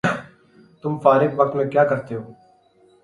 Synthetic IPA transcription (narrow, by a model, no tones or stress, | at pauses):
t̪ʊmfaːɾɪkʋək̚t̪mẽːkjaːkəɾt̪eːɦoː